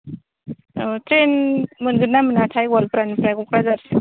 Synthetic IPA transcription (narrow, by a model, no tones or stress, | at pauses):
tɾenmɯnɡɯnːamɯnatʰajwɔlpɾanpɾajkukɾazaɾ